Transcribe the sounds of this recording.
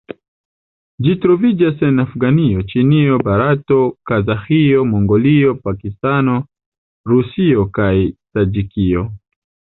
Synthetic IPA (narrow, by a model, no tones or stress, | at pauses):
d͡ʒitɾovid͡ʒasɛnafɡaniot͡ʃiniobaɾatokazaxiomoŋɡoliopakistano | ɾusiokaitad͡ʒikio